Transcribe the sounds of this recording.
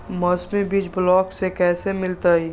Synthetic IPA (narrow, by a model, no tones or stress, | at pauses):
məsmẽbid͡ʒblɔːksekɛːsemɪlt̪ai